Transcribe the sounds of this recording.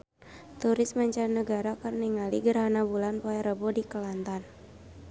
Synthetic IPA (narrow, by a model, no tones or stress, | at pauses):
t̪uɾɪsmaɲt͡ʃannːəɡaɾakərniŋalḭɡəɾɦanabulanpoaɾəbodikəlant̪an